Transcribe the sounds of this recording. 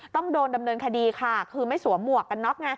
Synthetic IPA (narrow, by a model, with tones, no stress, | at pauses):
t̪ɔ˥˩ŋdoː˧nda˧mnɤː˧nkʰa˧diː˧kʰa˥˩kʰɯː˧ma˥˩jsu˨˩˦ɐmu˨˩əkːa˧nːɔ˦˥k̚na˦˥